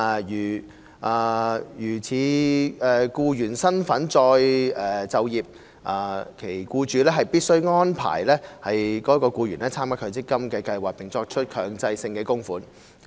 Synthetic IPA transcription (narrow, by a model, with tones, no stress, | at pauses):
jyː˨˩ | ʔaː˨jyː˨˩t͡sʰiː˨˧ɛ˨kuː˧jyː˨˩nsɐ˥nfɐ˨˥nt͡ʃɔː˧jɛː˨˩t͡sɐ˨wjiː˨p̚ | ʔaː˨˩kʰe˨˩jkuː˧t͡ʃyː˨˧lɛː˥ɦɐ˨jpiː˥t̚sɵ˥ɥŋɔː˥npʰa̰ː˨˩jlɛː˥hɐ˨jkɔː˨˥kɔː˧kuː˧ɥyː˨˩nɛː˥t͡sʰaː˥mka˥kʰɵ˨˧t͡sɪ˥kːɐ˥mkɛː˧kɐ˧jwaː˨k̚pɪ˨ŋt͡sɔː˧k̚t͡ʃʰɵ˥t̚kʰœː˨˩ŋt͡sɐ˧jsɪ˧ŋkɛː˧kʊ˥ŋfuː˨˥n